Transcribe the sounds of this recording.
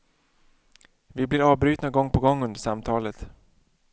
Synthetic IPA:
vɪblɪɾɑːvbɾyːt̪naɡɔŋːpʰɔɡɔŋːɵnd̪əʂamt̪ʰɑːlət̪

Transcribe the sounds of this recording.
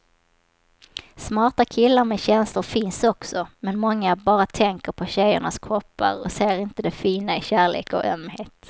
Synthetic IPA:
smɑːʈakʰɪlːaɾmɛɕɛnslʊɾfɪnsɔksɔmɛnmɔŋːabɑːɾat̪ʰɛŋkəɾpʰɔɕɛjːʊ̰ɳaskʰɾɔpːa̰ɾɔ̰seːɾɪnt̪əd̪ɛfiːnaɪɕæːɭḛːkɔ̰ʔœmːheːt̪

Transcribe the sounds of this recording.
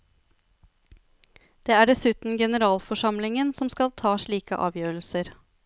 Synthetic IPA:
d̪̥eːæːɖɛsʉːt̪n̩ɡɛnəɾɑːlfɔʂɑmlɪŋənsɔmskɑlt̪ʰɑːʂɭiːkə̰ʔɑ̰ːʋjøːɾəl̩səɾ

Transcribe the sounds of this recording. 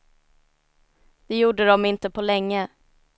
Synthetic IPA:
d̪̥ɛjuːɖəd̪ɔmɪnt̪əpʰɔlɛŋːə

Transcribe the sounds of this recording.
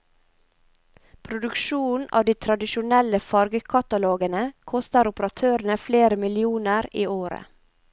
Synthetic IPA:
pʰɾʊd̪ʉkʃuːnɑ̰ːʋd̪iːt̪ʰɾɑd̪ɪʃʊnɛləfɑɾɡəkʰɑt̪ɑloːɡənəkʰɔst̪əɾʊpəɾɑt̪ʰøːɾən̩əfleːɾəmɪlɪuːnəɾiːoːɾə̰

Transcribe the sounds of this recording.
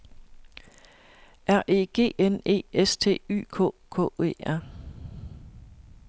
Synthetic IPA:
ʔæɐ̰ʔe̝̰ːɡ̥e̝̰ːene̝̰ːest͡sʰe̝̰ːy̰ːkʰɔ̰̽ːkʰɔ̰ːe̝̰ːæɐ̰

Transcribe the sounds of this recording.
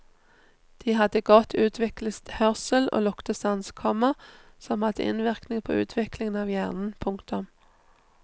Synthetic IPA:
d̪̥iːhɑd̪əɡɔt̪ʰʉːt̪ʰʋɪklət̪hœʁsəlo̰ːlʊkt̪əsɑnskʰɔmə | sɔmhɑd̪əʔɪ̰nʋɪʁknɪŋpʰo̰ːʉ̰ːt̪ʰʋɪklɪŋənɑːʋjæːʁnn̩pʰʊŋkt̪ʊm

